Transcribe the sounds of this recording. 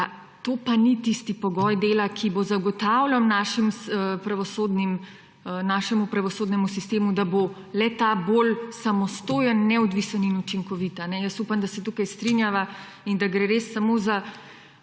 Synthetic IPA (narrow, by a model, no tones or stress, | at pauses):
a | t̪opanit̪ist̪ipɔɡɔːjd̪eːlakʰibozaɡɔt̪awlannaːʃimpɾaʋɔsoːd̪nim | naːʃɛmupɾaʋɔsoːd̪nɛmusist̪eːmud̪abo | lɛt̪aːbolsamɔst̪oːjənːɛɔd̪ʋisəninut͡ʃiŋkɔʋit̪anɛjəsupamd̪asɛt̪ukajst̪ɾinjaʋa | ind̪aɡɾeɾesːamoza